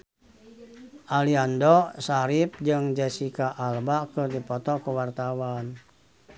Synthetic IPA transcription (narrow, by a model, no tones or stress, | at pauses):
ʔaliandɔsaɾip̚d͡ʒɨŋd͡ʒɛsikaʔalbakɨrdipɔt̪ɔkuwart̪awan